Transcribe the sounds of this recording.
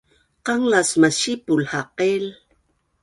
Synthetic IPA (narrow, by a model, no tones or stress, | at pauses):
qɑŋlasmaʃipʊlhaqel